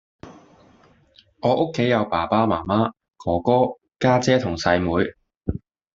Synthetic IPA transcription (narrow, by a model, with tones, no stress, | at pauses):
ŋɔː˨˧˥ʔʊ˥kʰːe˨˥jɐ˨˧wpaː˨˩paː˥maː˨˩maː˥ | kʰɔː˨˩kɔː˥ | kaː˥t͡sɛː˥t̪ʰʊ˨˩ŋsɐ˧jmuː˨˧j